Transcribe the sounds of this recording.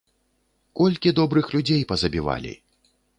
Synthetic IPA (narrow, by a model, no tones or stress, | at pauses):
kɔlʲkʲid̪ɔbɾɨxlʲud͡zʲejpɐzɐbʲiva̰lʲḭ